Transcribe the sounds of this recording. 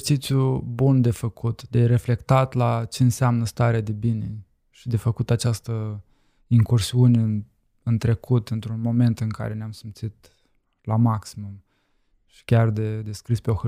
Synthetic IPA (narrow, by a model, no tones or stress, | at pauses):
t͡ʃit̪sjubund̪e̞fəkʰut̪d̪e̞ɾe̞fle̞kt̪at̪lat͡ʃe̞ɨnseamnəst̪aɾead̪e̞binḛ | ʃid̪e̞fəkut̪at͡ʃast̪ə | iŋkursiune | ɨnt̪ɾe̞kʰut̪ɨnt̪ɾunmo̞me̞nt̪ɨŋka̰ɾe̞neamsimt̪sit̪ | lamaksimum | ʃi̥kʲard̪e̞d̪eskɾispeox